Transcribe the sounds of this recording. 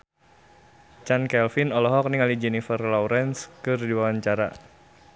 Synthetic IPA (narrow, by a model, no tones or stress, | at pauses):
t͡ʃankɛlfinɔlɔɦɔk̚niŋalid͡ʒɛnifərlɔwɾɛnskɨrdiwawaɲt͡ʃaɾa̰